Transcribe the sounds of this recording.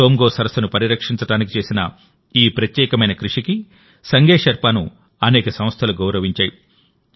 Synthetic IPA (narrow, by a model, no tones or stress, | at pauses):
o̞ːmɡoːsɐɾɐsɐnupɐɾiɾɐkʂiɲt͡ʃɐʈaːnik̬it͡ʃe̞ːsinɐ | iːpɾɐt̪jɛːkɐmɐjnɐkɾuʂiki | sɐŋɡɛːʂɐɾpaːnu | ɐneːkɐsɐ̃m̃st̪ʰɐluɡɐwɾɐʋiɲt͡ʃaːju